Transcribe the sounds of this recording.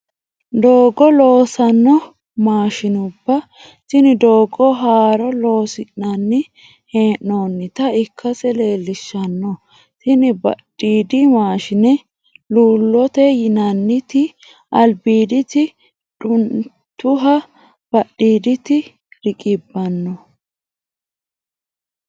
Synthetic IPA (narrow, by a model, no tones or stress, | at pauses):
d̪o̞ːɡɔlo̞ːsɐnːɔ | maːʃɪnʊbːɐ | sɪnɪd̪oːɡɔɦaːɾɔlo̞ːsɪnːɐnːɪ | heːʔːoːnːɪt̪ɐɪkʰːɐsɛle̞ːlːɪʃːɐnːɔ | sɪnɪbɐ̰ɗːiːd̪ɪmaːʃɪnɛ | luːlːɔt̪ɛjɪnɐnːɪt̪ɪ | ʔɐlbiːd̪ɪt̪ɪ | ᶑʊn | t̪ʊɦɐ | b̥ɐɗːiːd̪ɪt̪ɪ | ɾɪkʼɪbːɐnːɔ